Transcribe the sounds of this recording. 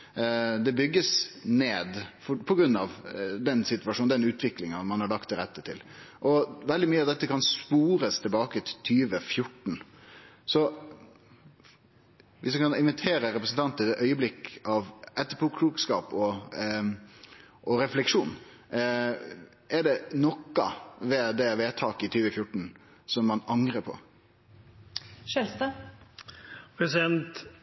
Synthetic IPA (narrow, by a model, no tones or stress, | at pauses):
d̪ɛbʏɡːəsneːd̪fɔpʰɔɡɾʉnːɑʋd̪ɛnsɪt̪ʉɑʂuːnd̪ɛnʉːt̪ʋɪklɪŋɑmɑnhɑɭɑkt̪ʰːɪɾɛt̪ːət̪ʰɪ̰lʔɔʋɛld̪ɪmyːəɑʋd̪ɛt̪ːəkʰɑnspuːɾəst̪ʰɪlbɑːkət̪ʰt̪ʰyːʋəfjʊʈːɳn̩sɔ | ʋɪsmɛkɑnɪnʋɪt̪ʰeːɾəɾɛpɾəsn̩t̪ʰɑnt̪ɛœʏəblɪkɑʋɛt̪ːəpʰɔkʰɾuːkskɑːpɔ | ʔɔɾɛflɛkʂuːn | ɛɖɛnɔkːɑ̰ʋɛːd̪ɛʋeːt̪ʰɑːkɪt̪ʰyːʋəfjʊʈːn̩ | sɔmːɑnɑŋɾəpʰɔ̰ | ʃɛlst̪ɑ | pʰɾɛsɪd̪ɛnt̪